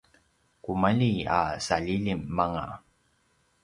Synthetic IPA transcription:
kumaʎia̰saʎiʎimːaŋa̰

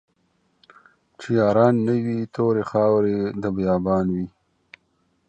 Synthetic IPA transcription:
t͡ʃijɑːɾɑːnːəwit̪ʰoːɾexɑːwɾed̪əbjɑːbɑːnwi

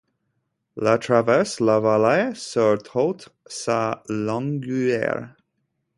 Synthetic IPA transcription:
latʰɹavɛslavalasœɹt̪ʰɔlt̪salɔŋɡʉɛ̰ɹ

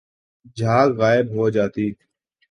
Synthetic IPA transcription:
d͡ʒʱaːkɣaːɪbɦoːd͡ʒaːt̪iː

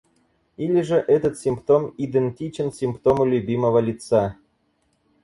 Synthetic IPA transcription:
ilʲɪʐəʔɛt̪ət̪sʲimpt̪omid̪ənʲtʲit͡ɕɪnsʲimpt̪omulʲubʲiməvəlʲit̪sa

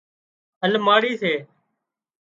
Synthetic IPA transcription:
ɦəlmaːɽiːseː

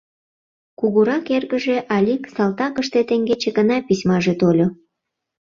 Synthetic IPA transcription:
kuɣuɾɑkerɣə̆ʒeʔɑlʲiksɑlt̪ɑkəʃt̪et̪eŋɡet͡ɕĕɡənɑpisʲmɑʒet̪olʲo

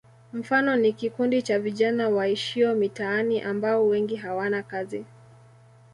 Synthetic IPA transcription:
m̩fanɔnikikundit͡ʃaviʄanawaiʃiɔmitaaniʔambaɔwɛŋɡiɦawanakazi

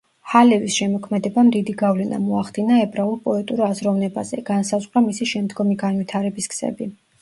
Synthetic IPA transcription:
halɛvisʃɛmɔkʰmɛd̪ɛbamd̪id̪iɡavlɛna̰mɔaχd̪̥inaɛbɾaulˠpʼɔɛt̪ʼuɾazɾɔvnɛba̰z̥ɛɡ̥ansazʁwɾamisiʃɛmd̪ɡɔmiɡanvwit̪ʰaɾɛbisksɛ̰bi

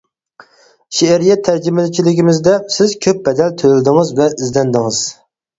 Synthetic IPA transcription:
ʃeæɾijɛt̪ʰːæɾd͡ʒimɪlɪt͡ʃʰilɪkʲʰimɪzd̪ɛsɪzkʲʰøp̚bɛd̪ɛlt̪ʰøɾɪld̪ɪŋɨzvɛʔɪzd̪ɛnd̪ɪŋɨz̥

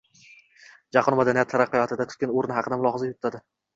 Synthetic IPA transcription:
d͡ʒɑqʰɒnmad̪anijat̪ʰːaɾɑqːɨjɒt̪ʰɪd̪at̪ʰʊ̥t̪kʲanoɾnɪhɑqʰɨd̪amʊlˠɒhɑzajot̪ʰːad̪ɪ

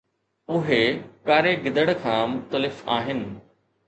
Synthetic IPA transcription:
ʊɦekaːɾeɡɪd̪əɽ̃kʰãːmʊxt̪əlɪfa̰ːɦɪnɪ̆

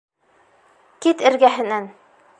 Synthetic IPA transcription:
kit̪ɘ̆ɾɡæɦɘ̆næn

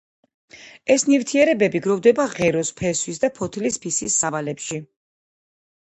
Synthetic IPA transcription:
ɛsnivt̪ʰiɛɾɛbɛbiɡɾɔvd̪ɛbaʁɛɾɔspʰɛswisd̪apʰɔt̪ʰlispʰisisːavalɛpʃi

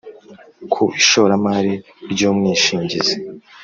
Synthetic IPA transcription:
kʰuʔiʃoɾamaɾi | ɾɟoːmŋiːʃiːɲɟize

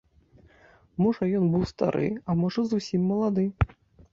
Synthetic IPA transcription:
mɔʐɐjɔnbɨwst̪a̰ɾʔɨ̰ɐmɔʐɐzusʲimːɐlˠad̪ɨ

